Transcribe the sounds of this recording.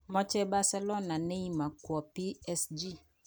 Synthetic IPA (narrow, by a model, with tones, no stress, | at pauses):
mɔ̃˦t͡ʃɛ˦ba˨sɛ˦lɔ˦nã˨nɛ̃˦i˦mã˨kwɔ˨pi˦ɛ˦sd͡ʒi˦